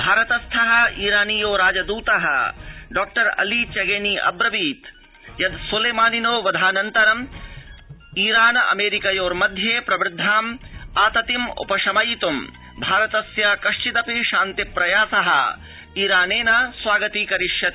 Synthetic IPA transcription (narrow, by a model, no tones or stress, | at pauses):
bʱaːɾɐt̪ɐst̪ʰɐɦɐ̆iːɾaːnijoːɾaːd͡ʒɐd̪uːt̪ɐɦɐ̰ɖaːk̚ʈɐɾɐ̰liːt͡ʃɐɡeːniːʔɐ̰bɾɐʋiːt̪ | jɐd̪suleːmaːninoːʋɐd̪ʱaːnɐnt̪ɐɾɐm | iːɾaːnɐɐ̰meːɾikɐjoːɾmɐd̪ʱjeːpɾɐbɾɪd̪ʱːaːmaːt̪ɐt̪imṵpɐʂɐmɐjt̪um | bʱaːɾɐt̪ɐsjaːkɐʂʈit̪ɐpiʃaːnt̪ipɾɐjaːsɐɦɐ̰̆ | iːɾaːneːnɐsʋaːɡɐt̪iːkɐɾiʂjɐt̪